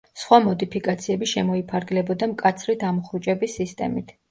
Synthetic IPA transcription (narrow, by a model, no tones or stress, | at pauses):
sχwamɔd̪ipʰikʼat̪sʰiɛbiʃɛmɔipʰaɾɡlɛbɔd̪amkʼat̪sʰɾid̪ʰamɔχɾut͡ʃʼɛbisist̪ʼɛ̰mit̪ʰ